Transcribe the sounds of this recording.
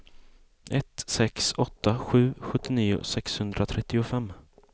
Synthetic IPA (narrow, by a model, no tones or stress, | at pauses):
ʔɛt̪sɛksɔt̪ːaɧʉ̟ːɧɵt̪ːɪniːʊ̰sɛkshɵnd̪ɾat̪ʰɾɛt̪ːɪʊfɛmː